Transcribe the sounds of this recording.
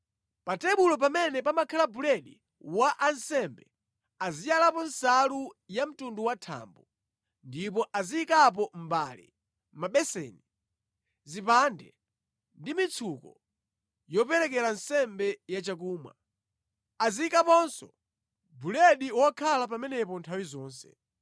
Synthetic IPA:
patɛɓulɔp̬amɛnɛpamakʰalabulɛɗi | waʔansɛmbɛ | azijalapɔnsalujam̩tunduwatʰa̰mbu | ndip̬ɔʔaziːkap̬ɔm̩ba̰lḭ | maɓɛsɛ̰ni | zipandɛ | ndimit͡sʰukɔ | jɔpɛɾɛk̬ɛɾansɛmbɛjat͡ʃak̬uːmwa̰ | aziikapɔnsɔ | bulɛɗiwakʰalap̬amɛnɛp̬ɔntʰawizɔːnsɛ̰

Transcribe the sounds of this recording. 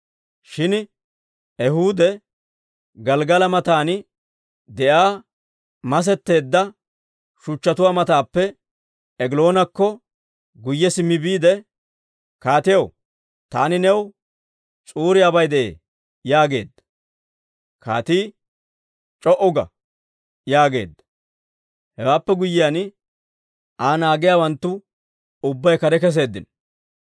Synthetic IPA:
ʃɪn | ɛɦuːd̪ɛ | ɡɐlɡɐlɐmɐt̪aːn | d̪ɛʔaː | mɐs̬ɛt̪ːe̞ːd̪ːɐ | ʃʊt͡ʃːɐt̪ʊwaːmɐt̪aːpːɛ | ɛɡɪlo̞ːnɐkːɔ | ɡʊjːɛsɪmːɪbiːd̪ɛ | kaːt̪ɪjɐw | t̪aːnɪnɛw | t͡sʼuːɾɪjabɐjd̪ɛʔeː | jaːɡe̞ːd̪ːɐ̥ | ka̰ːt̪iː | t͡ʃʼɔʔʊɡɐ̰ | jaːɡe̞̰ːd̪ːɐ̥ | hɛwaːpːɛɡʊjːɪjan | ʔaːnaːɡɪjaːwɐnt̪ːʊ | ʊbːɐjkɐɾɛkɛs̬e̞ːd̪ːɪn

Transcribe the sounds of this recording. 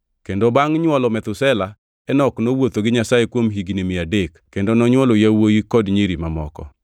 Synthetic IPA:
kendobaŋɲwɔlɔmɛt̪ʊsɛla | ɛnɔknowot̪oɡɪɲasajekwomɦiɡinemɪadekkːendonɔɲwɔlojawojikɔdɲeɾimamɔ̰kɔ̰

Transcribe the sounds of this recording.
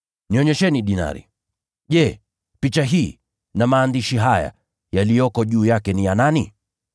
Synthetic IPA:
niɔɲɛʃɛniɗina̰ɾḭ | ʄɛ | pit͡ʃaɦiː | namaːndiʃiɦaja̰ | jalijɔkɔʄuːjakɛnijanani

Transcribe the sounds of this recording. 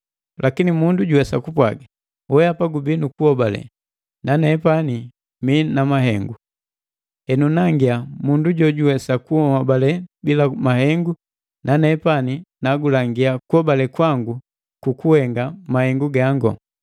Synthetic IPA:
lʔakinimunduɟuwɛsakupwa̰ɡa | wɛapaɡubinukuhɔbalɛ̰ | nanɛpani | minamaɦɛŋɡu | ɛnunaŋɡiamunduɟɔɟuwɛsakuɔhabalɛbilamahɛŋɡu | nanɛpaninaɡulaŋɡiakuhɔbalɛkwaŋɡu | kukuhɛŋɡamahɛŋɡuɡaŋɡɔ̰

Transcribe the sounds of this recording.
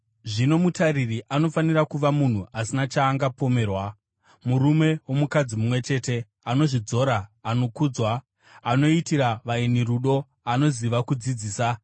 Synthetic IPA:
ʐino̞mutaririʔano̞fanirakuʋamun̤uʔasinat͡ʃaːŋɡapo̞me̞ːrwa | muɾume̞wo̞mukad͡zimumwe̞t͡ʃe̞te̞ | ano̞ʐid͡zo̞ɾaːno̞kud͡zwaː | no̞itiɾaʋaeniruɗo̞ | ano̞ziʋakud͡zid͡ziːsa

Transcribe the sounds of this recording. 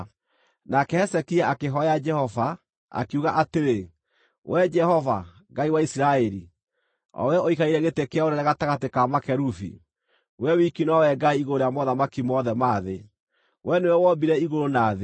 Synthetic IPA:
nakɛhɛsɛkiaakeɦɔad͡ʒɛhɔva | a̰keuɣaʔateɾe | wʔɛd͡ʒɛhɔva | ɡaiwaisiɾaɛɾi | ɔ̰wɛoikaiɾɛɣetekeaoɾɛɾɛɣataɣatekamakɛɾufḭ | wɛwikinwawɛɡaiiɣooɾejamɔðamakimɔðɛmaðe | wɛnewɛwɔbiɾɛiɣoɾonaːðe

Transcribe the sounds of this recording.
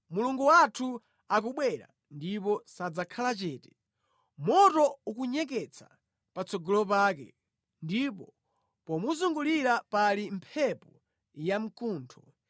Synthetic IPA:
muluŋɡuwatʰu | ak̬uɓwɛɾa̰ | ndipɔsad͡zakʰalat͡ʃɛːtɛ̥ | mɔtɔukuɲɛk̬ɛt͡sḁ̰ | pat͡sɔɡɔlɔp̬aːkɛ̰ | ndipɔ | pɔmuzuŋɡuliɾapalimpʰɛpɔ | jam̩kuːntʰɔ

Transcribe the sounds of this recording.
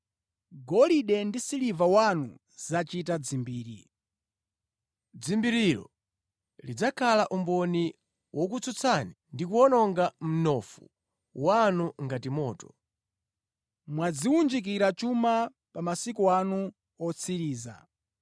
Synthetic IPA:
ɡɔliɗɛndisilivawanu | z̥at͡ʃitad͡zimbiːɾi | d͡zimbiɾiɾɔ̰ | lid͡zakʰalaʔumbɔni | wʔɔk̬ut͡sʰut͡sʰanindikuɔnɔŋɡam̩nɔfu | wanuŋɡatimɔːtɔ | mwad͡ziwund͡ʒik̬iɾat͡ʃuma | pamasikuanu | ɔt͡sʰiɾiːza̰

